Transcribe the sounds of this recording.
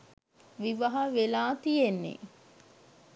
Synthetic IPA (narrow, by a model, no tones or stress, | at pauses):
ʋiʋɐɦɐʋelaːt̪ijenːḛ